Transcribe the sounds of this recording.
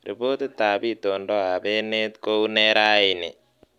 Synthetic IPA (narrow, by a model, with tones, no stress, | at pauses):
rḭ˨po˦te˦t̪ːa˨bi˦t̪o˨ndɔ˦a˨be˦ne˦t̪ko˦u˦ne˦ɾa˦i˨nḛ˨